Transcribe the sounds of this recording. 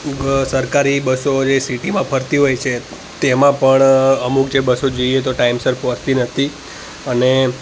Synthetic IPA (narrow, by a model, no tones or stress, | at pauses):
səɾkaɾibəsod͡ʒesiʈimãpʰəɾt̪iɦojt͡ʃʰe | t̪emãpəɳəmukd͡ʒebəsod͡ʒoiet̪oʈaimsəɾpoɾt̪inət̪ʰi | əne